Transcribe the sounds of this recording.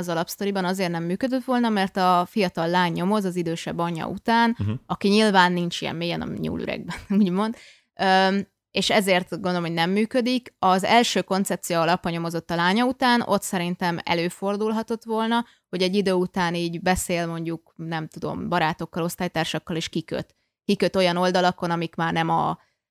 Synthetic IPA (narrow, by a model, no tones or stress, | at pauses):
ɒzɒlɒpst̪o̞ɾibɒnɒzeːrnɛmːyːkød̪øt̪ʋo̞lnɒmɛrt̪ɒfijɒt̪ɒlːaːɲːo̞mo̞zɒzid̪øːʃɛbːɒɲːɒ̰ut̪aːnɒkiɲilvaːnːint͡ʃijɛ̰mːeːjɛ̰nɒ̰mḭɲṵːly̰ɾɛ̰ɡ̚bɛnuːɟmo̞nd̪ | ø | eːʃɛzeːrt̪ɡond̪olmɦod̪ʲnɛmːyːkød̪ikɒzɛlʃøːko̞nt̪sɛp̚t̪sijoɒlɒpːɒɲo̞mo̞zo̞t̪ːɒlaːɲɒut̪aːnʔo̞̰t̪sɛɾint̪ɛmɛ̰løːfo̞rd̪ulɦɒt̪o̞t̪ʋo̞lnɒ | ho̞ɟɛɟːid̪øːut̪aːniːɟbɛseːlmo̞ɲɟuknɛmt̪ud̪o̞̰mbɒɾaːt̪o̞kːɒlo̞st̪aːjt̪aːrʃɒkːɒleːʃkikø̰t̪ | kikø̞t̪o̞jɒno̞ld̪ɒlɒko̞nɒmikmaːrnɛmɒ̰